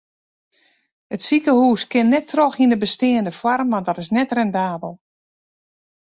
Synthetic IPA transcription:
ətsikəhuːskɪnːɛtʰːroxindəbəstɪːəndəfwɔrmʋandɔtɪsnɛtrɛndaːbəlˠ

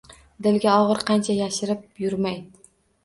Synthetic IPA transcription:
d̪ɪlɡʲaɒʁɨɾqʰɑnt͡ʃʰajaʃɪɾɪp̚jʊɾmaj̪ɪ

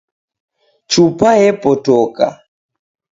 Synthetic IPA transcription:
t͡ʃupaɛpɔtɔka̰

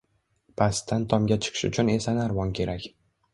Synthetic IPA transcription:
pʰast̪ʰːant̪ʰɒmɡʲat͡ʃʰɨ̥qʰɨ̥ʃʊ̰t͡ʃʰʊne̞sanaɾvɒnkʲʰe̞ɾakʲ

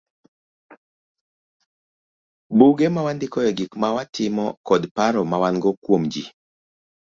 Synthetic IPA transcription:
buɡemawandɪkɔjɛɡikmawatɪmɔkɔdpaɾɔmawanɡɔkwomd͡ʒi

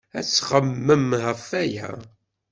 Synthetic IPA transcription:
æ̰t͡sːχəmːəmɦəfæjæ̰

